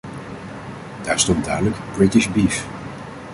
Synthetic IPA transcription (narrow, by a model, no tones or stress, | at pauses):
d̥aːɹstɔntdaːdələkb̥ɹɪtɪʃbif